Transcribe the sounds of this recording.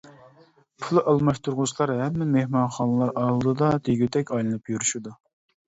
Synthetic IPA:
pʰulˠɨʔɑlˠmɑʃt̪ʰuɾʁʊslˠɑɾhɛmːɪmehmɑnχɑnɨlˠɑɾʔɑlˠd̪ɨd̪ɑd̪eɡʲyt̪ʰɛkʲɑjlˠɨnɨpjuɾyʃud̪u

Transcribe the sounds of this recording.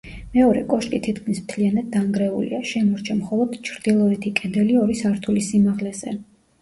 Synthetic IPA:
mɛɔɾɛ̰kʼɔʃkʼit̪ʰit̪ʰkʰmismt̪ʰlianad̪̚dːaŋɡɾɛṵlḭaʃɛmɔɾt͡ʃʰamχɔlˠɔd̪̥t͡ʃʰɾd̪̥ilˠɔɛt̪ʰikʼɛnd̪ɛliɔɾisaɾt̪ʰulisimaʁlɛzɛ̰

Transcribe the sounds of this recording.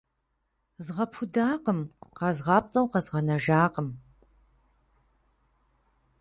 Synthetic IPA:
zʁɐpʰʊdaːqəmqɐzʁɑːp̚t͡sʼɐwqɐzʁɐnɐʒaːqəm

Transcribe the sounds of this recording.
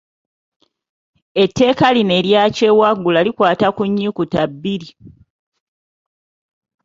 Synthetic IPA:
e̞tːe̞ːkaline̞ɾjaːce̞ːwaɡːulalikwaːtakuɲːikutabːiɾi

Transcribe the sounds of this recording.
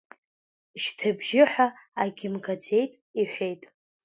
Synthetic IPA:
ʃtʰɨbʒɪħʷaː | ɡʲɪmkʰat͡sʰe̞jtʼiħʷᶣe̞jtʼ

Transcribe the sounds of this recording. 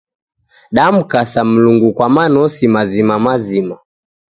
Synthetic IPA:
ɗam̩kasam̩luŋɡukwamanɔsimazimamazima

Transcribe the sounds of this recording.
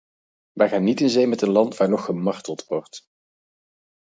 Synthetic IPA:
ʋɛjχaːnːitɪnzejmɛtənlɑntʋaːɹnɔχːəmɑɹtəlˠtʋɔɹt

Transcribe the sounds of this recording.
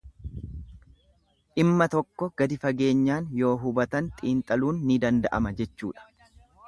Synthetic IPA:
ʔɪmːɐt̪ɔkːɔɡ̥ɐd̪ɪfɐɡe̞ːɲːaːnjo̞ːɦʊbɐt̪ɐnt̪ʼiːnt̪ʼɐluːnːɪd̪ɐnd̪ɐʔɐ̰mɐd͡ʒɛt͡ʃːṵːᶑɐ̥

